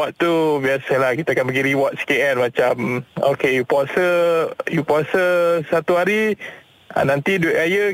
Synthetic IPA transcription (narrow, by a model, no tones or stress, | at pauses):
aʔ̪t̪ːubiasalahkit̪aakanbəɡiɾiwat̪̚si̥keɛnmãt͡ʃamo̰kejupasəjupasəsat̪uɦaɾi | a̰nant̪idueʔajə